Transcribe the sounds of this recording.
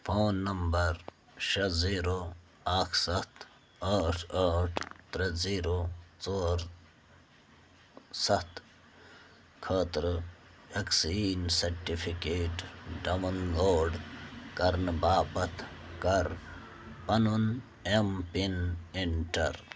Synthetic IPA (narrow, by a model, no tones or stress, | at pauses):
fʰoːnːɐmbɐɾ | ʃɐziːɾo | aːkʰsɐt̪ | aːʈʰaːʈʰt̪ɾɐziːɾot͡soːɾ | sɐt̪ | kʰɐːt̪ɾ | ɐksiːnsɐɾʈifʰikeːʈɖɐʋɐnɡoːɖkɐɾnbaːpɐt̪ʰkɐɾ | pɐnun | empiniɳʈɐɾ